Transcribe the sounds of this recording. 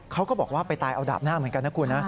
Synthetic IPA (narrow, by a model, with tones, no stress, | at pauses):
kʰa˦˥wkɔː˥˩bɔː˨˩k̚waː˥˩pa˧jt̪aː˧jʔa˧wda̰ː˨˩p̚naː˥˩mɯ˩˦nka˧nt̪ʰa˦˥kʰu˧nːa˦˥